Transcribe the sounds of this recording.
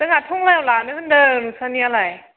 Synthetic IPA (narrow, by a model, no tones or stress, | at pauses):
dɯŋatʰɔŋlajawlanɯhɯndɯnusanialaj